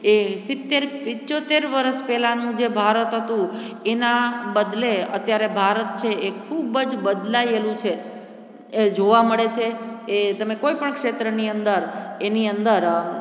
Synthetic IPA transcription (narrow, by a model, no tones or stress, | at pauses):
esɪt̪ːeɾpɪt͡ʃot̪eɾʋəɾəʃpɛlanũd͡ʒebʱaɾət̪ɦət̪ũ | enabəd̪leə̰t̪jaɾebʱaɾət̪̚t͡ʃʰeekʰubəd͡ʒbəd̪laelũt͡ʃʰe | ed͡ʒoʋaməɭet͡ʃʰeet̪əmekoipəɳkʃet̪ɾəniənd̪əɾeniənd̪əɾ